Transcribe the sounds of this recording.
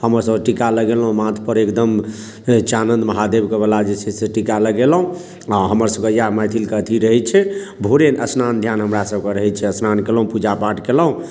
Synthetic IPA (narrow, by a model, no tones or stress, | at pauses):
həməɾsəbʈikaləɡelɦũmãt̪ʰpəɾekd̪əm | t͡ʃanənd̪məɦad̪ebkebəlad͡ʒeseseʈikaləɡelɦũ | aɦəməɾsəbkəjamajt̪ʰilkət̪ʰiɾəɦɛt͡ʃʰɛbʱuɾenəsnand̪ʱjanɦəmɾasəbkeɾəɦɛt͡ʃʰɛəsnankeləɦũpud͡ʒapaʈkeləɦũ